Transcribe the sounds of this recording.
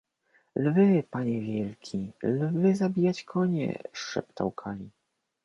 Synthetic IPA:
lvɘpaɲɛvʲjɛlkʲʰilvɘzabʲijat͡ɕkʰɔɲɛ̰ʂɛ̰pt̪a̰wkʰalʲi

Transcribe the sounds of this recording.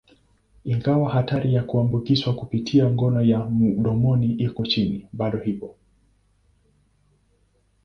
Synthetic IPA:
iŋɡawahataɾijakuambukiswakupitʰiaŋɡɔnɔjamuɗɔmɔniʔikɔt͡ʃiniɓaɗɔhipɔ

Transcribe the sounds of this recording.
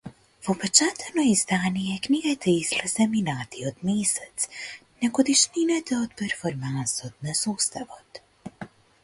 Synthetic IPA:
vopɛt͡ʃat̪ʰɛnojizd̪anijɛkniɡajt̪ʰɛislɛsɛminaːt̪iod̪misɛt̪snɛɡod̪iʃninɛt̪ɛot̪pɛɾfoɾmansot̪nasust̪avot̪

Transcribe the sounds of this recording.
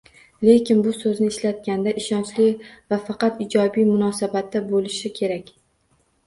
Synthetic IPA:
le̞kʲʰɪnbʊsɵznɪːʃlat̪̚kʲand̪aʔɪʃɒnt͡ʃlɪvafɑqɑt̪ɪd͡ʒɒbijmʊnɒsabat̪ːabolɪʃɪkʲʰe̞ɾakʲ

